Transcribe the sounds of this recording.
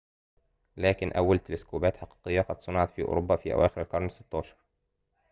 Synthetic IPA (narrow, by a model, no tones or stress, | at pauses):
læːkɪnʔæ̰wːælt̪ɪlɪskuːbæːt̪ħɑqi̥ːqɨjːaqɑd̪sˤɑnɑʕɑt̪fiːʔʊ̰ːɾobːɑːfiːʔæ̰wæ̰ːxɪɾlkɑɾˤnsɪ̥t̪ˤːɑːʃɑ̥ɾˤ